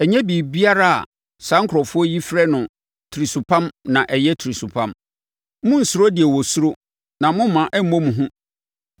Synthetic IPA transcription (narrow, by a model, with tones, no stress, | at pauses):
ɛ˨ɲɛ̃˦biː˨bi˦a˦ɾa˦a̰˨ | sã˦ŋkʰɾɔ˨fʊ˦ɔ˦ji˦fɾɛ˦nʊ̃˨ | tʰi˨ɾi˨su˨pʰã˦mnã˨ʔɛ˨jɛ˦tʰi˨ɾi˨su˨pʰã˦m | mʊ̃˦n̩˨sʊ˨ɾo˦dɪ˨ɛ˨wɔ˨sʊ˦ɾo˦ | nã˨mʊ̃˦m˦mã˨ʔɛ˦m̩˦mõ˦mũ˨ɦʊ̃˦